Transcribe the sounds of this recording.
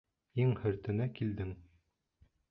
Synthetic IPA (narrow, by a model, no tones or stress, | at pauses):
iŋhɵ̆ɾt̪ɘ̆nækild̪ɘŋ